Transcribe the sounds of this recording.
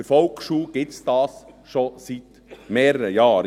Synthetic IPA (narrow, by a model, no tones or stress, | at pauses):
əɾfɔlkʃuːɡ̥ɪt͡sd̪̥ɑːs | ʃɔsit̪ | meːɾəɾəjɑːɾ